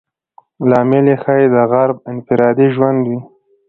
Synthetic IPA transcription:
lɑmɪlexajed̪əɣaɾb̚ɪnfɪɾɑd̪iʒwand̪wi

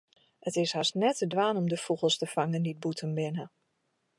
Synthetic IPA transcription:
ətɪsasnɛtədʋaːnɔmdəfuɣəlˠstəfaŋəndid̚butʰənbɪnə

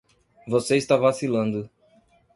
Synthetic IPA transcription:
voseist̪avasilɐ̃nd̪ʊ

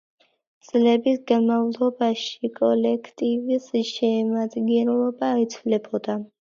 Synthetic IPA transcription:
t̪sʼlɛbisɡamavlˠɔbaʃikʼɔlɛkʰt̪ʼivisʃɛːmad̪ɡɛnlɔbaːit̪sʰvlɛbʰɔd̪a

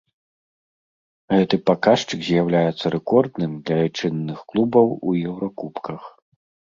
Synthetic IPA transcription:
ɣɛt̪ɨpakaʂt͡ʂɨkzʲjawlʲajɛt̪sːɐɾʔɛkɔrd̪nɨmd̪lʲɐt͡ʂɨnːɨxklˠubɐwujɛwɾɐkupkɐx

